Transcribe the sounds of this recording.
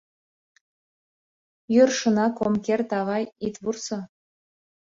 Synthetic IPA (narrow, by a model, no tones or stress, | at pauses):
jørʃɤ̆nɑkomkʲert̪ɑʁɑjit̪βursɤ̆